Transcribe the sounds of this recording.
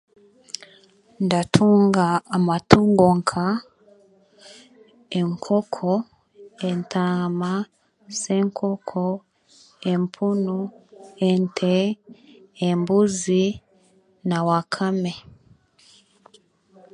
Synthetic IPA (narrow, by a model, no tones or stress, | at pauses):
ndatʰuŋɡaːmatuŋɡɔŋkʰa | eŋkʰɔkʰɔ | entʰama | seŋkʰɔkʰɔ | empʰunuentʰɛː | mbuzi | nawakʰamɛ